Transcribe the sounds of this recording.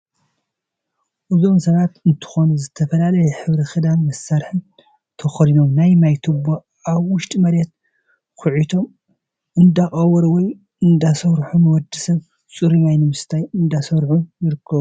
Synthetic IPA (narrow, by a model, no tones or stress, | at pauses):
ʔɨzo̞msɐβat̪ɨnt̪ʰɨ̥xo̞nuzɨt̪ʰɐfɐlalɐjɛħɨβɾixɨd̪almɐsːaɾħɨn | t̪ʰɐxɐɾino̞mnajmajt̪ʰɨbːo | ʔaβwʊʃt̪ʼimɐɾɛt̪̚ | kʊʕit̪ʰo̞m | ʔɨnd̪aχʼɐwɐɾwɔj | ɨnd̪asɐwɾħumwɔd̪ːɨsɐβ | t͡sʼuɾimajnɨmɨst̪ʰajɨnd̪asɐɾħumjɪɾɨkʰːɐβu